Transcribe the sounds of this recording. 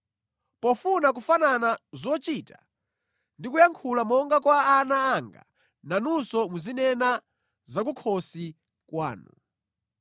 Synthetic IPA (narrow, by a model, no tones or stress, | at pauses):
pɔfunak̬ufananazɔt͡ʃiːta | ndikujaŋkʰulamɔŋɡakwaːnaːŋɡa̰ | nanusɔmuzinɛna | zak̬ukʰɔsi | kwa̰ːnṵ